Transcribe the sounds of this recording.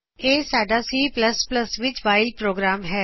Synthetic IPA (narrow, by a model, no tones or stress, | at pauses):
eːsaːɖasiːplɐspləsʋɪt͡ʃʋaːɪlpɾoːɡɾaːmɦɛː